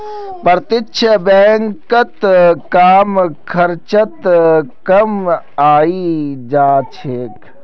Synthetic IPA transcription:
pəɾt̪ɪt͡ʃʰəbɛːŋkət̪kaːmkʰɐɾt͡ʃət̪kɐm | aːid͡ʒaːt͡ʃʰeːk

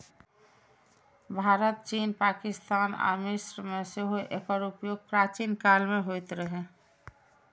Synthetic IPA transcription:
bʱaːɾət̪̚t͡ʃiːnpaːkɪst̪aːna̰ɾmɪsɾmeseɦoʔḛkəɾupjoːɡ̚pɾaːt͡ʃinkalmeɦojt̪ɾəɦe

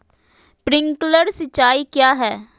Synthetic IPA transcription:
pɾɪ̃ŋkləɾsət͡ʃːaːikjaːɦɛː

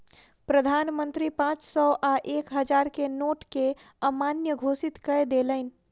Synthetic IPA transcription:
pɾəd̪ʱanmənt̪ɾipãt͡ʃsɔʔaʔekɦəd͡ʒaɾkenoʈke | əmanjəɡʱosit̪kəed̪eləɪn̆

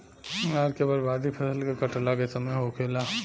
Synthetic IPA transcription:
aɾkebɐɾbaːd̪ipʰɐsəlkekɐʈlakesɐmeɦokʰela

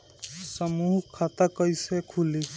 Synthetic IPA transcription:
səmuɦkʰat̪akəjsekʰuli

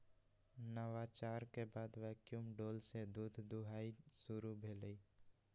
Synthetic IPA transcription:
nəwaːt͡ʃaːɾkebaːd̪ʋɛːkjumɖoːlsed̪uːd̪ʱd̪ʊɦaːisʊɾubʱeːləi

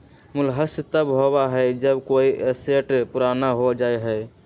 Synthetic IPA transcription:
mʊlɦəst̪əbɦobaɦɛd͡ʒəbkoiʔeseʈpuɾanaɦod͡ʒaeɦɛ

